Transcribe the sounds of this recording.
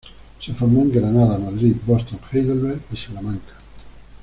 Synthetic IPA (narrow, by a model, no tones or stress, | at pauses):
sefoɾmoŋɡɾanaðamaðɾit̪bost̪õŋxejðelβeɾisalamãŋkḁ